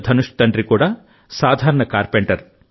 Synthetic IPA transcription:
d̪ʱɐnuʂt̪ɐɳʈɾikuːɽaː | saːd̪ʱaːɾɐɳɐkaːɾpeɳʈɐɾ

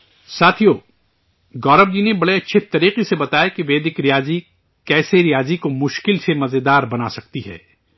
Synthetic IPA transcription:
saːt̪ʰijoː | ɡɔːɾəbd͡ʒinebɐɽeɐtːʃʰet̪ɐɾiːqesebɐt̪aːjekiʋeːd̪ɪkɾijaːzi | kɛːseɾijaːzikomʊʃkɪlsemɐzed̪aːɾbɐnasɐk̚t̪iɦɛ̰ː

